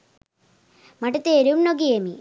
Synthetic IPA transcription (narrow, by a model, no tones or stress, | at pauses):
mɐʈut̪eɾumnoɡiemi